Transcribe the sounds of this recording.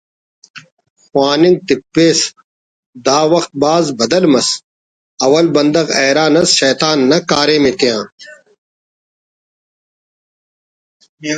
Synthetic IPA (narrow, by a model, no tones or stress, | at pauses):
xwaːnĩŋɡ̚t̪ik̚peːs | d̪aːwɐxt̪̚baːzbɐd̪ɐlmɐs | ɐwɐlbɐnd̪ɐɣeːɾaːnɐsɕɐːt̪aːnːɐkaːɾeːmet̪ijãː